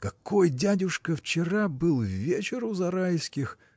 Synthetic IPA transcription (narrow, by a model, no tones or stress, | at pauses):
kɐko̞jdʲædʲʊʂkəft͡ɕɪɾabɨlˠvʲet͡ɕɪɾʊzɐɾajskʲɪx